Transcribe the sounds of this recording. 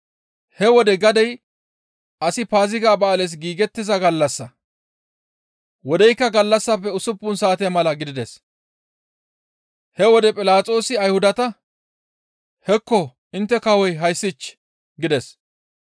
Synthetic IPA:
hɛwɔd̪ɛɡɐd̪ɛj | ɐsɪpaːzɪɡaːbɐːlɛs̬ɡiːɡɛt̪ːɪzɐɡɐlːɐsːɐ | wɔd̪ɛjkːɐɡɐlːɐsːɐpːɛʊsʊpːʊnsaːt̪ɛjmɐlɐɡɪd̪ɪd̪ɛs | hɛwɔd̪ɛpʼɪlaːt͡sʼo̞ːsɪɐjhʊd̪ɐt̪ɐ | hɛkːɔ | ɪnt̪ːɛkɐwɔjɦɐjsːɪt͡ʃː | ɡɪd̪ɛs

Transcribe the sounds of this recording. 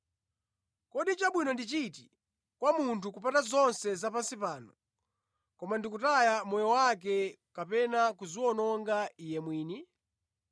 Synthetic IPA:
kɔɗit͡ʃaɓwinɔndit͡ʃiti | kwamuntʰukupatazɔnsɛzapansipaːnɔ | kɔmandikutajamɔjɔwak̬ɛ | kapɛnakuziwɔnɔŋɡaijɛmwiːni

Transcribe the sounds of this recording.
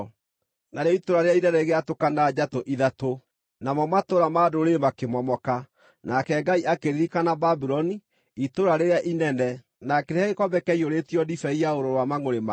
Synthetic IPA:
naɾeitoɾaɾeainɛɾɛɣeatokanad͡ʒatoʔiðato | namɔmatoɾamadoɾemakemɔmɔka | nakɛɡaiʔakeɾiɾikanababiɾɔni | itoɾaɾeɾeaʔinɛnɛ | nakeɾeaɣekɔbɛkɛioɾetiɔdifɛiaoɾoɾwamaŋoɾema

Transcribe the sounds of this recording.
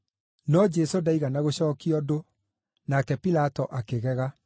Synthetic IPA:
nɔd͡ʒɛsodaiɣanaɣoɕɔːkiɔdo | nakɛpilatɔʔakeɣɛɣa

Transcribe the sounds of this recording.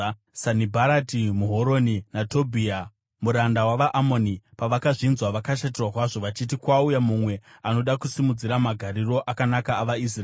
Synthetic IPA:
sanibʱaɾatimuɦoɾo̞ninatobʱia | muɾandawaʋaʔamo̞nipaʋakaʐinzwaʋakaʃat̬irwakwaʐo̞ʋat͡ʃitikwaujamumwe̞ano̞ɗakusimud͡ziɾamaɡʱaɾiro̞ʔakanakaːʋais̬r

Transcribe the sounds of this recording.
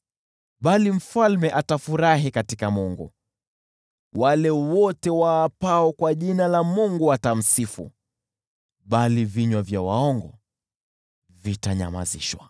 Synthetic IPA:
ɓalim̩falmɛʔatafuɾaɦikatikamuŋɡṵ | walɛwɔtɛwaːpaɔkwaʄinalamuŋɡuatam̩sifṵ | ɓaliviɲwavjawa̰ɔŋɡɔ̰ | vitaɲa̰ma̰zḭʃwa̰

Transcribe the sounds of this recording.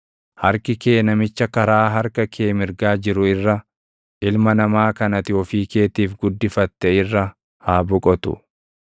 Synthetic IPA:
hɐɾkɪke̞ːnɐmɪt͡ʃːɐkɐɾaːɦɐɾkɐkʰeːmɪɾɡaːd͡ʒɪɾʊɪrːɐ | ʔɪlmɐnɐmaːkɐnɐt̪ɪɔfiːke̞ːt̪iːfɡʊd̪ːɪfɐt̪ːɛɪrːɐ | haːbʊkʼɔt̪ʊ̰

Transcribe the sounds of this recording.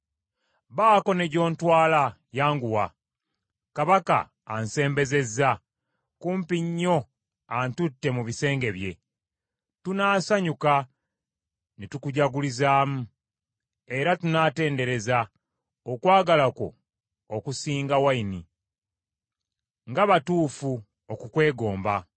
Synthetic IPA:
βaːko̞ne̞ɟo̞ːntwaːla | jaːŋɡuwa | kaβaka̰ː | nse̞ːmbe̞ze̞zːa | kuːmpiɲːo̞ | antutːe̞muβise̞ːŋɡe̞βje̞̰ | tunaːsaɲuka | nitukuɟaɡulizaːmu | e̞ɾatunaːte̞ːnde̞ɾe̞za | okwaːɡalako̞̰ | okusiːŋɡawaini | ŋɡaβatuːfu | okukwe̞ːɡo̞ːmba

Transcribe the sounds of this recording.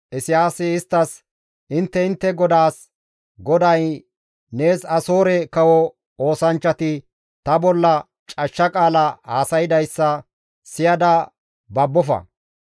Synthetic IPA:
ʔɪsɪjaːsɪɪst̪ːɐs | ʔɪnt̪ːɛɪnt̪ːɛɡɔd̪aːs | ɡɔd̪ɐj | ne̞ːsɐso̞ːɾɛkɐwɔ | o̞ːsɐnt͡ʃːɐt̪ɪ | t̪ɐbɔlːɐ | t͡ʃʼɐʃːɐkʼaːlɐhaːsɐjɪd̪ɐjsːɐ | sɪjɐd̪ɐ | bɐbːɔfɐ̰

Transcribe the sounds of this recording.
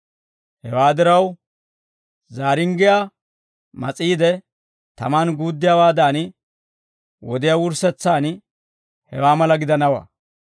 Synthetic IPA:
hɛwaːd̪ɪɾɐw | zaːɾɪŋɡɪjaː | mɐt͡sʼiːd̪ɛ | t̪ɐmaːnɡuːd̪ːɪjawaːd̪aːn | wɔd̪ɪjawʊɾsɛt͡sːaːn | hɛ̰waːmɐlɐɡɪd̪ɐnɐwɐ̰

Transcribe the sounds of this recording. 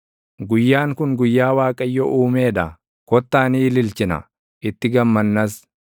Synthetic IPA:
ɡʊjːaːŋkʊŋɡʊjːaːwaːkʼɐjːɔʔuːmeːᶑɐ | kɔt̪ːaːniːlɪlt͡ʃɪnɐ̰ | ʔɪt̪ːɪɡɐmːɐnːɐs

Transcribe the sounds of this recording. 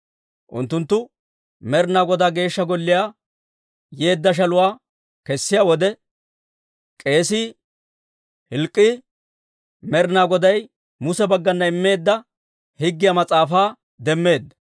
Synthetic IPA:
ʔʊ̰nt̪ːʊnt̪ːʊ | mɛɾnaːɡɔd̪aːɡe̞ːʃːɐɡɔlːɪjaː | je̞ːd̪ːɐʃ̬ɐlʊwaː | kɛsːɪjaːwɔd̪ɛ | kʼe̞ːsi | hɪlkʼːɪ | mɛɾnaːɡɔd̪ɐj | mʊsɛbɐɡːɐnːɐɪmːe̞ːd̪ːɐ | hɪɡːɪjamɐt͡sʼaːfaː | d̪ɛmːe̞ːd̪ːɐ̥

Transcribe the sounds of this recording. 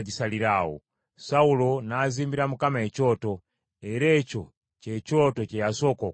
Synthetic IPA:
d͡ʒisaliɾaɔ̰ | saulonaːzimbiɾamukamaɛt͡ʃɔtɔ | ɛɾɛt͡ʃo | t͡ʃɛt͡ʃɔtɔt͡ʃɛjasɔkɔ

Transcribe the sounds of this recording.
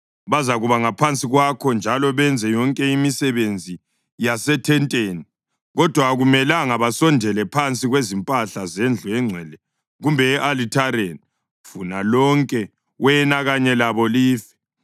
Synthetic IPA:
βazaɣuβaŋapʰant͡sʼiɣwakʰɔnd͡ʒʱalɔβɛnd͡zʱɛjɔŋkʼɛimisɛβend͡zʱi | jasɛtʰɛntʼeːni | ɣɔd̥ʱwaɣumɛlaŋaβasɔndʱɛlɛpʰant͡sʼiɣwezimpʼaɬazɛnd͡ɮʱuɛŋ͡ǀʱɛːlɛ | ɣumbʱɛːʔalitʰaɾeni | funalɔŋkʼɛ | wɛnaɣaɲɛlaβɔliːfɛ̥

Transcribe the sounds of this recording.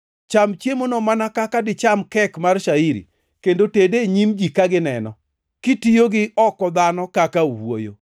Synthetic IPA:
t͡ʃamt͡ʃjemonomanakakadɪt͡ʃamkɛkmarʃaiɾḭ | kendotedeɲimd͡ʒikaɡɪnɛnɔ̰ | kitijoɡɪɔkɔd̪anɔkakauwo̰jo̰

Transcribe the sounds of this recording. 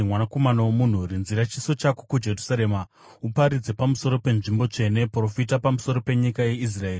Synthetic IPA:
mwanako̞manowomun̤uɾinziɾat͡ʃiso̞t͡ʃako̥kud͡ʒe̞rusaɾe̞ma | upaɾid͡ze̞pamuso̞ɾo̞pe̞nʐimbo̞t͡ʂe̞ne̞pro̞fit̬apamuso̞ɾo̞pe̞ɲikaje̞is̬raeːri

